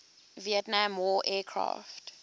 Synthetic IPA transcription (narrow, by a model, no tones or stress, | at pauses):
viɛtnãmwɔʔɛːkʰɹa̰ft